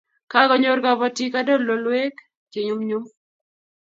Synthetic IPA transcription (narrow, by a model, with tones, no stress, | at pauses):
ka˦ɡɔ˦ɲo˦ɾɡa˨bɔ˦ti˦ka˦do˦lo˨lwe˦k | t͡ʃe˨ɲʊ˦mɲu˦m